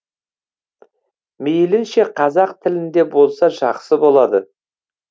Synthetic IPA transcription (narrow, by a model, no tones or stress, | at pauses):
mejlɪnʃe̞qʰɑzɑqt̪ʰɪlɪnd̪e̞bo̞lˠsɑʒɑqsəbo̞lˠɑd̪ə